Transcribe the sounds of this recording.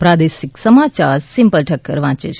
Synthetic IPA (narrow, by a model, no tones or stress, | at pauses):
pɾaːd̪esiksəmaːt͡ʃaːɾsimpəlʈʰəkːə̰ɾʋãːt͡ʃḛt͡ʃ